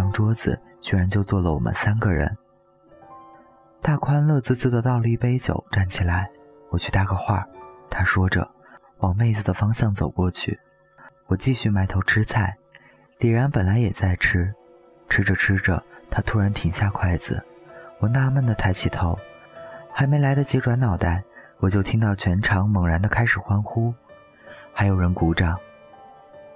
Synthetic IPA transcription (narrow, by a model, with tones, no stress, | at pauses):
ŋʈ͡ʂwɔ˥d͡zɹ̩̰˩ | t͡ɕɥɛ˥˧˥ɻa˧˥nt͡ɕjo˥˧ʊt͡swɔ˥˩lə˨˩wɔ̰˨˩mə̰˦nsa˥nɡə˨ɻə̰˧˥n | t̪a˥˩kʰwa˥nlɤ˥˧t͡sɹ̩˥˧t͡sɹ̩˥˩d̪ə˨t̪ɑ˥˧ʊli˧i˥˩pe˥ɪt͡ɕjo̰˨˩˦ʊʈ͡ʂa˥˩nt͡ɕʰi˨˩la˧˥ɪ | wɔ˨˩t͡ɕʰy˥˧t̪a˥˩ɡə˧xwa˥˩t̪ʰa˥ʂwɔ˥ʈ͡ʂə̰˩ | wɑ˨˩ŋme˥˩ɪd͡zɹ̩˨˩d̪ə˩fɑ˥ŋɕjɑ˥˩ŋt͡so˨˩ʊkwɔ˥˧t͡ɕʰy̰˥˩ | wɔ˨˩t͡ɕi˥˧ɕy˥˩ma˧˥ɪt̪ʰo˧˥ʊʈ͡ʂʰɻ̩˥t͡sʰa˥˩ɪ | li˨˩ɻa˧˥npə˨˩nla˧˥ɪjɛ˨˩t͡sa˥˩ɪʈ͡ʂ̩ʰ˥ | ʈ͡ʂʰɻ̩˥ʈ͡ʂə˧˩ʈ͡ʂʰɻ̩˥ʈ͡ʂə̰˨˩t̪ʰa˥t̪ʰu˥ɻa˧˥nt̪ʰi˨˩ŋɕja˥˧kʰwa˥˩ɪd͡zɹ̩̰˩wɔ˨˩na˥˧mə˥˩nd̪ə˩t̪ʰa˥˩ɪt͡ɕʰi˨˩t̪ʰo˧˥ʊxa˧˥ɪme˧˥ɪla˧˥ɪd̪ə˧t͡ɕjɛ˧˥ʈ͡ʂwa˧˥nɑ˨˩ʊt̪a˥˩ɪwɔ˨˩t͡ɕjo˥˩ʊt̪ʰi˥ŋt̪ɑ˥˩ʊt͡ɕʰɥɛ˧˥nʈ͡ʂʰɑ˧˥ŋmɤ˨˩ŋɻa˧˥nd̪ə˧kʰa˥ɪʂɻ̩˨˩xwa˥nxu˥ | xa˧˥ɪjo˨˩ʊɻə˧˥nku˧˥ʈ͡ʂɑ˥˩ŋ